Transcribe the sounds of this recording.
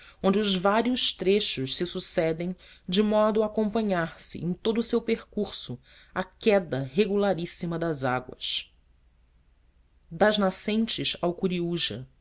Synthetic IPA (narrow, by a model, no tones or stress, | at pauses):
õnd͡ʒɪʊzvaɾiʊʃt̪ɾeʃʊʃsɪsusɛd̪ẽj̃d͡ʒɪmɔd̪ʊakõmpɐ̃ɲaɾsɪ̰ʔḛ̃j̃t̪od̪ʊsewpeɾkuɾsʊ | akɛd̪ɐɦeɡulaɾisimɐd̪ɐza̰ɡwɐ̰ʃ | d̪ɐʒnasẽnt͡ʃɪʃawkuɾiuʒɐ̰